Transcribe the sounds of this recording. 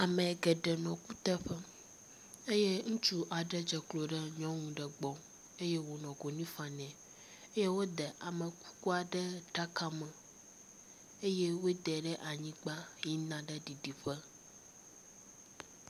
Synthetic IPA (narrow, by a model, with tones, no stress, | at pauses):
a˨mɛ̃˨ɡɛ˨ɖɛ˨nɔ̃˨ku˦t̪ɛ˦ɸə˦ | e˦je˦ŋũ˦t͡ʃu˦ʔa˨ɖə˦d͡ʒə˨klo˨ɖə˦ɲɔ̃˦ŋũ˨ɖə˨ɡ͡bɔ̃˨ | e˦je˦wo˨nɔ̃˨ɡo˨nĩ˦fã˨nɛ̃˨ | e˦je˦wo˦d̪ə˨ʔa˨mə˨ku̥˦ku˦a˨ɖə˦ɖa˦ka˦mə̃˨ | e˦je˦wo˦d̪ɛ˨ɖə˦ʔa˨ɲĩ˦ɡ͡ba˦ji˦nã˨˦ɖə˦ɖi˨ɖi˨ɸə˦